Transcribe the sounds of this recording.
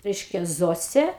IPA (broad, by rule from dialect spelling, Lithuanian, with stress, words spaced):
ˈrʲɛɪʃʲkʲɛ ˈzoːsʲeː